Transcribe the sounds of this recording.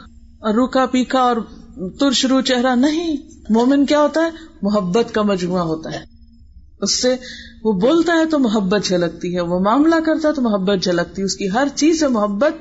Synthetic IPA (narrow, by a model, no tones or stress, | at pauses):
ɔːɾːuːkapiːkʰaɔːɾt̪ʊɾʃʊɾut͡ʃɛɦɾanɐɦĩ | moːmɪnkjaːɦoːt̪aɦɛːmʊɦəbːət̪kamɐd͡ʒbuaɦoːt̪aɦɛː | ʊsːeʋoboːlt̪aɦɛt̪omʊɦəbːət̪̚d͡ʒʱɐlɐɡ̚t̪iɦɛʋomaːmlakɐɾt̪aɦɛt̪omʊɦəbːət̪̚d͡ʒʱɐlɐk̚t̪iɛʊskiɦɐɾt͡ʃiːzsemʊɦəbːət̪̚